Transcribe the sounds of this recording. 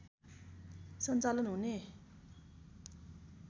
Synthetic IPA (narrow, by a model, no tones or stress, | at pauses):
sʰənt͡salənone